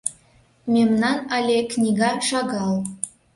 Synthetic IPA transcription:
mʲemnɑnɑlʲeknʲiɡɑʃɑɡɑlˠ

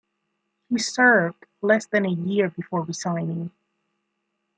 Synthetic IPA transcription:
hisɜ˞vdlɛsðɨ̃nɨjɪɹbɨfɔɹwisãɪ̃nɪ̃ŋ

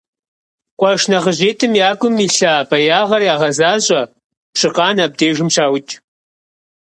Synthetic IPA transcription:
qʷʼɐʂnɐʁəʑeːtʰɨmjaːɡʷʼʊmiːɬabɐjaːʁɐrjaːʁɐzaːɕʼɐ | pɕɪqʼɑːnaːb̚deːʒɨmɕaːwʊt͡ʃʼ

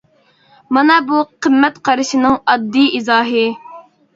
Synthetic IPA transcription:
mɑnɑbuqəmːɛt̪qʰɑɾɪʃɪnɪŋɑd̪ːiizɑːɦɨ

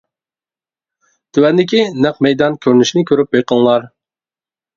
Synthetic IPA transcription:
t̪ʰywɛnd̪ɪkʲinɛqmɛjd̪ɑnkʲʰøɾnyʃnɪkʲʰøɾyp̚beqəlˠlˠɑɾ

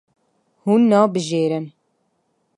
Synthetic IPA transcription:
huːnːɑːbɨʒeːɾɨn

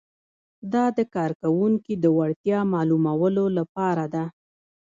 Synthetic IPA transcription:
d̪ɑd̪əkɑɾkawuŋkid̪əwaɽt̪jɑmɑlumawəlolapɑɾad̪a

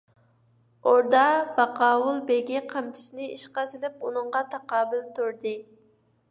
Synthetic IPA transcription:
oɾd̪ɑb̥ɑqɑːwulˠbeɡʲiqʰæmt̪ʰɪ̥sɪnɪiʃqɑsɪlɪp̚unɨɴʁɑt̪ʰɑqɑːbɪlt̪ʰoɾd̪ɨ

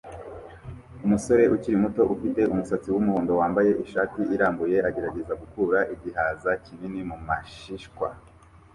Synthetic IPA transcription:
umuso̞ɾe̞ʔuciɾimuto̞ʔufite̞umusat͡siwumuhoːndo̞waːmbaje̞ʔiʃaːtiːɾaːmbuje̞aɟe̞ɾaɟe̞zaɡukuɾaʔiɟihaːzacininimumaʃiʃkwa̰

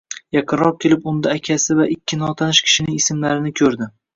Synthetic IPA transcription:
jɑqʰɨnɾɒq̚kʲʰe̞lɪpʊnd̪aːkʲʰasɪvaʔɪkʲːɪnɒt̪ʰanɪʃkʲʰɪ̥ʃɪnɪŋɪsɪmlaɾɪnɪkʲʰɵɾd̪ɪ

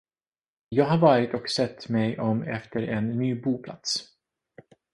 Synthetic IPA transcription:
jɑːɡɦaɾvɑːɾɪt̪ɔksɛt̪ːmɛjʔɔmɛ̰ft̪əɾɛnːyːbuːpʰla̰t̪s

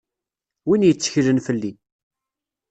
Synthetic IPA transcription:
winjət͡sːə̥çlənfəlːi

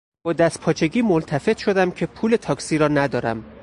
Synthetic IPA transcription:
b̥ɒːd̪æst̪̚pʰɒːt͡ʃʰe̞ɟiːmo̞nt̪ʰæfe̞t̪ʃo̞d̪æmcʰe̞pʰuːle̞t̪ʰɒːksiːɾɒːnæd̪ɒːɾæ̰m

